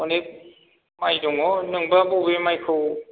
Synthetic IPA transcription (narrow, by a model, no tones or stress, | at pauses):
ɔne | majdɔŋɔnɯŋbabɔwbemajkʰɯw